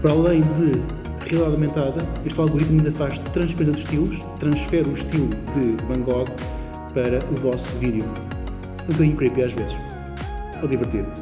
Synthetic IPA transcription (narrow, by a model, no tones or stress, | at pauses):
pɾalˠɐ̃j̃d̪ɨ | ʁiɐlˠiðaðɐwmẽnt̪aðɐeʃt̪alˠɣuɾit̪mɐĩnd̪ɐfaʃt̪ɾɐ̃ʃpɾẽsɐd̪uʃt̪ilˠuʃt̪ɾɐ̃ʃfɛɾuʃt̪ilˠuðɨvɐ̃ŋɡɔɣ | pɐɾɐʔuvɔsuviðju | ũkɐðĩɲukɾipiaʒvezɨʃ | ɔðivɨɾt̪iðu